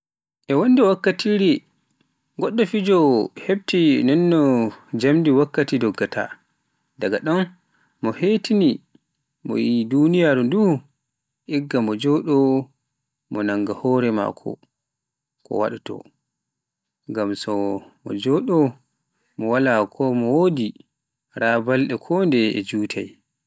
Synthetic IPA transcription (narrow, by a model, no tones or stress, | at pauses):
ʔɛwɔnːdɛwakːatʰiɾi | ɡɔɗːɔfid͡ʒɔheb̚tinɛnːɔd͡ʒamdiwakːatidɔɡːatʰa̰ | daɡaɗɔn | mɔhetini | mɔ̰jidunijaɾundu | ʔɛɡːamɔd͡ʒɔɗɔ | mɔnaŋɡahɔɾɛma̰kʰɔ̰ | kɔ̰wa̰ɗutɔ̰ | ŋɡamsɔmɔ̰d͡ʒɔɗɔ | mɔwalakʰɔmɔwodi | ɾaːbalɗɛkʰɔndɛɛ̰d͡ʒuːtʰaj